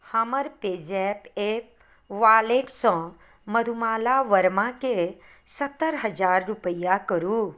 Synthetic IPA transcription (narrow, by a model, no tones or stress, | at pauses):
haməɾped͡ʒɛpep̚ | ʋaːleʈsɔ̃ | məd̪ʱumaːlaʋəɾmãke | sət̪ːəɾɦəd͡ʒaːɾːupəjakəɾu